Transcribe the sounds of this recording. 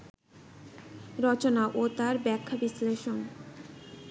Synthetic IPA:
ɾɔt͡ɕonaʔot̪aɾbɛkʰːabisleʃon

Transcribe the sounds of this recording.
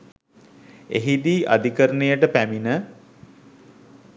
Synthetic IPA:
eɦid̪iːʔa̰d̪ikəɾənejəʈəpæminə

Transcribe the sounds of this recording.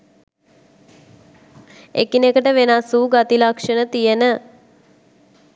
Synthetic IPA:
ḛkinekəʈəʋenasuːɡat̪ilakʂənət̪ijənə

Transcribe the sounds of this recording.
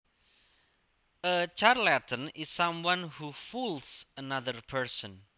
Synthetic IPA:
ət͡ʃarlɛt̪ʰənɪsamwãnhufulsənaðərpʰəɹsə̃n

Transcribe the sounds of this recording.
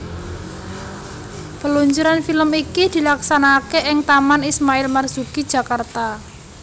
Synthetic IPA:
pəluɲt͡ʃuɾanfiləmikid̪̥i̤laksanakeʔɪŋt̪amanismaɪlmarz̥ukid̥ʒ̥ä̤kart̪a

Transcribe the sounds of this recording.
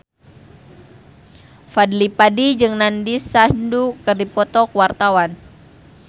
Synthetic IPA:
fadlipadid͡ʒɨŋnandisandukərdipɔt̪ɔkwart̪awan

